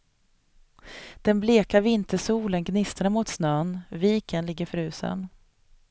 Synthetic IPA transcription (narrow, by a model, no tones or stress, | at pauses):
d̪̥ɛnbleːkavɪnt̪əʂuːlənɡnɪst̪əɳamʊt̪snœːnviːkənlɪɡːəɾfœɾʉ̟ːsə̰n